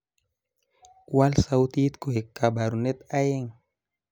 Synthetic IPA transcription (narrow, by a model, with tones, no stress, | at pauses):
wa˦lsa˦wt̪i˦t̪ko˨e˨kːa˨ba˨ɾu˨ne˦t̪a˦je˦ŋ